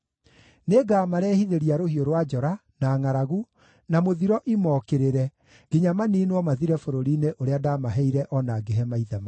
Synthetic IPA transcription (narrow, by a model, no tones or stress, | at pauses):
neːɡaːmaɾɛːhiðeɾiaɾohioɾwad͡ʒɔɾa | naːŋaɾaɣu | namoðiɾɔʔimɔːkeɾeɾɛ | ɡiɲamaniːnwɔmaðiɾɛfoɾoɾineʔoɾeadaːmaɦɛiɾɛʔɔnaːɡeɦɛmaiðɛma